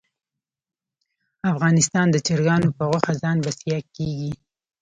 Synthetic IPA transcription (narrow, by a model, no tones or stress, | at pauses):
afɣɑnɪst̪ɑnd̪ət͡ʃɪɾɡɑnopəɣwaxazɑnbasijɑkeɡi